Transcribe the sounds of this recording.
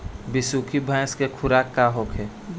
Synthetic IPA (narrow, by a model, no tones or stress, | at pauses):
bɪsuːkʰibʱə̃jskekʰʊɾaːkːaɦoːkʰe